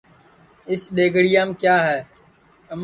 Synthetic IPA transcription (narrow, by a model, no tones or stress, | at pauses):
ɪsɗeːɡʱɽijaːmkjaːɦɛː | əm